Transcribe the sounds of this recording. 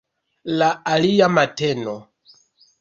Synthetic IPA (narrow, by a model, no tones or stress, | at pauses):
laaliamateno